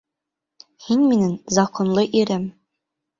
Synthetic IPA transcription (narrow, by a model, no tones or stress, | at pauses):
hinminɘnzɑqŏnlˠɤʔiɾɘm